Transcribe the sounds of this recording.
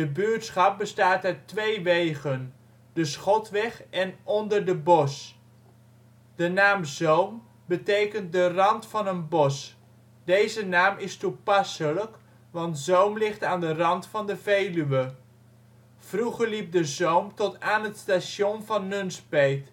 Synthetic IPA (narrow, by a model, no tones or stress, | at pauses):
dəbyːtsχɑp̚bəstaːtœɥtʋejʋejχən | dəsχɔtʋɛχɛnɔndəɹdəbɔs | d̥ənaːmzowm | bətejkənt̚dərɑntfɑnənbɔs | dejzənaːmʔɪstupɑsələk | ʋɑntzowmlɪχtaːndərɑntfɑndəvejlyʋə | v̥ruχəɹlip̚dəzowmtɔtaːnɦətstaːʃjɔnvɑnːɵnspejt